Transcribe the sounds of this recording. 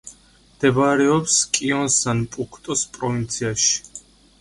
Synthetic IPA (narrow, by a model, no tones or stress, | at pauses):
md̪̥ɛbaɾɛɔpskʼiɔnsanpʼukʰt̪ʼɔspʼɾɔvint̪sʰiaʃi̥